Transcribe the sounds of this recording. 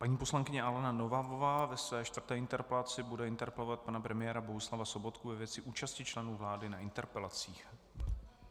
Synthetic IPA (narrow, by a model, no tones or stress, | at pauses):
paɲiːpo̞slaŋkɪɲɛʔalɛnanovavovaːvɛsvɛːʃt̪v̥rt̪ɛːɪnt̪ɛɾpɛlat͡sɪbudɛɪnt̪ɛɾpɛlovat̪̚panapɾɛmɪjɛːɾabo̞ɦuslavaso̞bo̞t̪kuvɛvjɛt͡sɪʔuːt͡ʃascɪt͡ʃlɛnuːvlaːdɪnaɪnt̪ɛɾpɛlat͡siːx